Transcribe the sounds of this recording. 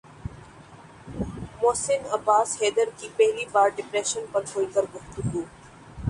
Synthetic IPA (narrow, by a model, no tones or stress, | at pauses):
moːsɪnɐbaːsheːd̪əɾkipɛɦlibaːɾɖɪpɾɛːʃənpɐɾkʰoːikɐɾɡʊft̪ʊɡuː